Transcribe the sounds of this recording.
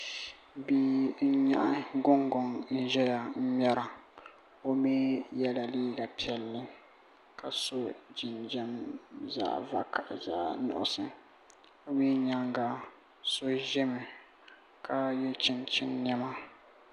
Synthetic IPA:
bi˦n̩˦ɲa̰˦ʔa˦ɡʊ˦ŋɡɔ˨nn̩˦ʒɛ˦ja˨m̩˦m˦ɛ˦ɾa˨ | o˦mi˦jɛ˦la˨liː˦ɡa˨pi˨ɛ˨lːɨ˦ | kʰa˨so˦d͡ʒɪ˨nd͡ʒɛ˦mza̰ː˦va̰˨ka˨zaː˦nʊ̰˨ʔʊ̰˨sɨ˨ | o˦mi˦ɲa˦ŋɡa˨ | so˦ʒɛ˦mɪ˨ | kʰa˦jɛ˦t͡ʃɪ˦nt͡ʃɪ˦nːɛ˦ma˦

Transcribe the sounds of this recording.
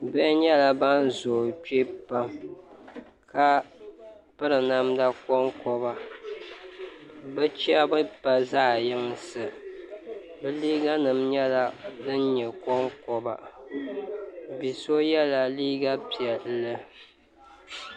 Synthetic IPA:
bɛ˦ʔɲɛ˦la˦ba˦n˦zo˨t͡ʃe˦pa˦m | ka˦ | pɨ˦ɾɨ˨na˦mda˦kɔ˦ŋkɔ˦βa˦ | bɨ˦t͡ʃa˦bʊ˦pa˦zaː˦˨jɪ˦ŋ˦sɨ˨ | bɨ˦liː˦ɡa˦nɨ˨mɲɛ˦la˦dɨ˦nɲɛ˨kɔ˦ŋkɔ˦ba̰˨ | bi˨so˦jɛ˦la˨liː˦ɡa˦pi˨ɛ˨lːɨ˦

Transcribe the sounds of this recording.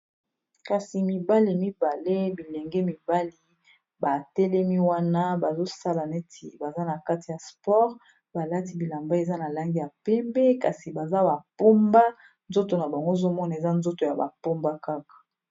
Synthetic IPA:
ka˨si˨mi˨ba˦li˨mi˦ba˨le˦bi˨lɛ˨ŋɡɛ˦mi˨ba˦li˦ | ba˨tɛ˦lɛ˦mi˦wa˦na˦ba˨zo˦sa˦la˨nɛ˦ti˨ba˨za˦na˨ka˦ti˨ja˨spɔ˦ʁ | ba˨la˦ti˦bi˨la˨mba˦e˨za˦na˨la˦ŋɡi˦ja˨pɛ˦mbɛ˦ka˨si˨ba˨za˦ba˨po˦mba˦ | nzo˦to˨na˨ba˨ŋɡo˦zo˦mɔ˦na˨e˨za˦nzo˦to˨ja˨ba̰˨po˦mba˦ka˦kḁ˨

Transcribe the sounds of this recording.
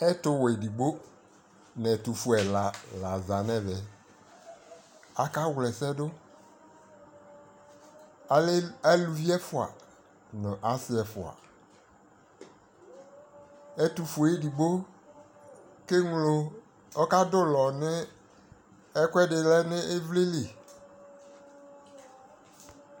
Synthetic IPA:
ɛ˦tʊ˨˦wɛ˨di˨ɡ͡bo˦ | nɛ˨tu˨fu˨ɛ˨la˨la˨za˨nɛ̃˦vɛ˨ | a˨ka˦wlɛ˨sɛ˦dʊ˦˨˦ | ɛ˦lu˨vi˦ɛ˦fʊ˨a̰˨ | nʊ̃˨ʔa˨˦sɪ˦ɛ˨fʊ˨a̰˨ | e˦t̪u˨fo˨e˦di˨bo˦ | ke˦ŋlo˨ | ɔ˦ka˦dʊ˦lɔ˨nɪ˦ | ɛ˦kwɛ˦dɪ˨lɛ˦nɪ˦ʔe˦vle˦le˨

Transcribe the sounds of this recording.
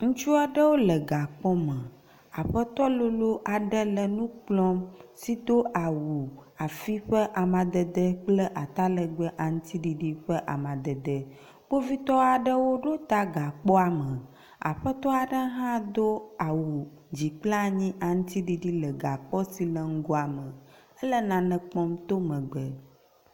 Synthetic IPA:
ŋũ˦t͡ʃu˦a˨ɖə˦wo˦lə˨ɡa˨k͡pɔ˦mə̃˨ | a˨ɸə˦t̪ɔ˦lo˦lo˦ʔa˨ɖə˦lə˨nũ˦k͡plɔ̃˦msi˦d̪o˦ʔa˨wu˨a˨fi˦ɸə˦ʔa˨mã˨d̪ə˨d̪ə˦k͡plə˦ʔa˨t̪a˦lə˨ɡ͡bə˦ʔa˨ŋũ˦t̪i˦ɖi˨ɖi˦ɸə˦ʔa̰˨mã˨d̪ə˨d̪ə˨ | k͡po˦vi˦t̪ɔ˦a˨ɖə˦wo˦ɖo˦t̪a˦ɡa˨k͡pɔ˦a˨mə̃˨ | a̰˨ɸə˦t̪ɔ˦a˨ɖə˦ɦã˦d̪o˦a˨wu˨ | d͡ʑi˨k͡pla˦ɲĩ˦ʔa˨ŋũ˦t̪i˦ɖi˦ɖi˦lə˨ɡa˨k͡pɔ˦si˨lə˨ŋ̩˦ɡo˦a˨mə̃˨ | ə˦lə˦nã˨nɛ̃˨k͡pɔ˦mt̪o˦mə̃˨ɡ͡bə˨

